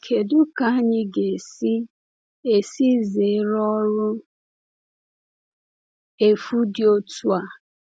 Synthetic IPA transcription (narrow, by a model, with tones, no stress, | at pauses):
kʰe˨dʊ˦ka˦ɲɪ˦ɡe˨si˦ | e˨si˦ze˨˦ɾɔ˦ɾʊ˦ | e˨fu˦dɪ˦o˦tu˦a˨